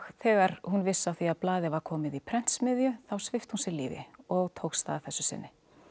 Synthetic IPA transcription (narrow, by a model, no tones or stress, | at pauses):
θɛːɣaɾ̥hunvɪsːawθiaðplaːðɪvaɾ̥kʰɔːmɪðipʰɾɛn̥t̪smɪðjʏθawsvɪft̪hunsjɪɾlḭːvɪ̰ɔɣt̪ʰowkst̪a̰ðaθɛsːʏsɪ̰nːɪ